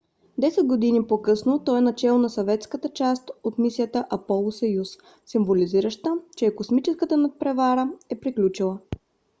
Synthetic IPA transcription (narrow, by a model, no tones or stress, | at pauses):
d̪ɛsɛd̪̚ɡod̪inipokɤsnot̪ɔɛnɐt͡ʃɛlˠnɐsɐvɛt̪skət̪ət͡ʃast̪ot̪misijət̪əʔɐpɔlˠʊsɐjus | simvoliziɾəʃt̪ət͡ʃɛːkosmit͡ʃɛskət̪ənɐpɾɛvaɾəɛpɾiklʲut͡ʃilˠə